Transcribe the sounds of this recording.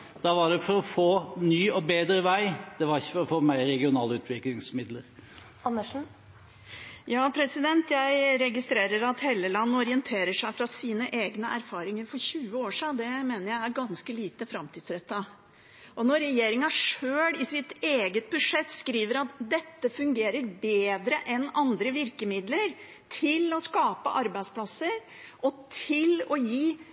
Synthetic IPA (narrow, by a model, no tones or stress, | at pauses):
d̪̥ɑʋɑɖɛfɔɾɔfoːnyːɔbeːd̪ɾəʋæɪd̪̥ɛʋɑɾɪçːə̥fɔɾɔfoːmæɪɾɛɡɪʊnɑːləʉːt̪ʰʋɪklɪŋsmɪd̪ləɾ | ɑnːəʂ̩ | jɑːpʰɾɛsɪd̪ɛnt̪jæɪɾɛɡɪst̪ɾeːɾəɾɑt̪heːlːəlɑnːɔɾɪənt̪ʰeːɾəʂæɪfɾɑsiːnəʔeːɡnəʔæɾfɑːɾɪŋəɾfɔɾɕʉːəoːʂiːnd̪ɛmeːnəɾjæɪæɾɡɑnskəliːt̪əfɾɑmt̪ʰiːd̪sɾɛt̪ːə | ʔɔnɔɾɛjeːɾɪŋɑʂøːɽɪsɪt̪eːɡət̪̚bʉʂɛt̪ːskɾiːʋəɾɑt̪d̪ɛt̪ːəfʉŋɡeːɾəɾbeːd̪ɾəʔɛnɑnd̪ɾəʋɪɾkəmɪd̪ləɾ | t̪ʰɪlɔskɑːpə̰ʔɑɾbæɪspʰlɑsəɾ | ʔɔt̪ʰɪlɔjiː